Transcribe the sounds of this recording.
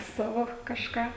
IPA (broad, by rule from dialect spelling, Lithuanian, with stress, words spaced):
ˈsɑːʋoː kɐʃˈkɑː